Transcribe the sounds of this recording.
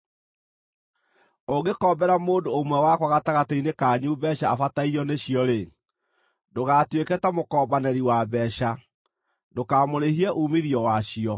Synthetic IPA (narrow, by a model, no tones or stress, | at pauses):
oɡekɔbɛɾamoːndoːmwɛwakwaɣataɣateinekaɲubɛɕaːfataiɔneɕiɔɾe | ndoɣatwekɛtamokɔːbanɛɾiwabɛɕa | dokamoɾehiɛʔumiðiɔwaɕiɔ